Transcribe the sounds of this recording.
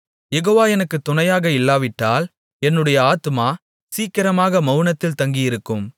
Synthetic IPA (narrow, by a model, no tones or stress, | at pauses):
jɛɣoːʋaːɛnɐkːɯt̪ːʊnɐjaːɣɐɪlːaːʋɪʈːaːl | ɛnːɯɽɐjɐaːt̪ɯmaː | siːkɪɾɐmaːɣɐmɐʊɯnɐt̪ːɪlt̪ɐŋɡɪjɪɾɯkːɯm